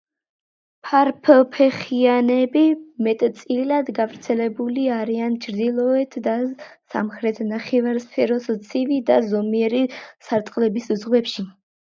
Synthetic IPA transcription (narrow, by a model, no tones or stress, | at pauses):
pʰaɾpʰpʰɛχianɛbimɛt̪ʼt̪sʼilad̪ɡavɾt̪sʰɛlɛbuliaɾiant͡ʃʰɾd̪ilˠɔɛt̪ʰd̪asa̰mχɾɛt̪ʰnaχɛvaɾspʰɛɾɔst̪sʰivid̪azɔmiɛɾisaɾt̪ʼqʼlɛbiszʁwɛpʃi